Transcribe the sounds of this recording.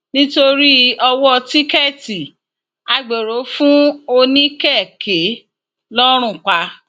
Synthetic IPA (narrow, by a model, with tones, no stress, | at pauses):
nĩ˦to˧ɾi˦ɔ˧wɔ˦ti˦kɛ˦˨ti˨ | a˧ɡ͡be˨ɾo˨˦fũ˦o˧nĩ˦kɛ˦˨ke˨˦ | lɔ˦ɾ̃ũ˦˨k͡pa˧